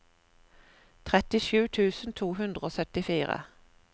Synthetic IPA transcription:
t̪ʰʁɛt̪ɪʃʉːt̪ʰʉːsn̩t̪ʰuːɦʉnd̪ʁəoːsœt̪ɪfiːʁə̰

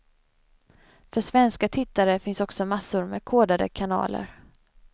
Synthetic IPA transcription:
fœʂvɛnskat̪ʰɪt̪ːaɾəfɪnsɔksɔmasʊɾmɛ̰kʰoːd̪ad̪ə̰kʰanɑ̰ːlə̰ɾ

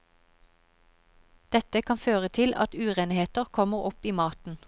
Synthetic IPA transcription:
d̪̥ɛt̪əkʰɑnføːʁət̪ʰɪlʔɑ̰t̪ʉːʁeːnheːt̪əʁkʰɔməʁɔpiːmɑːt̪n̩

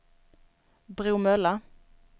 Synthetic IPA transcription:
bʁʉːmœlə

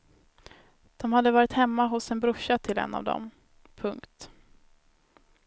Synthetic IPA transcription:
d̪̥ɔmhad̪ːəvɑːɾɪt̪hɛmːaɦʊsɛnbɾɵʊʂːat̪ʰɪlɛ̰nːa̰vd̪ɔ̰m | pʰɵŋkt̪

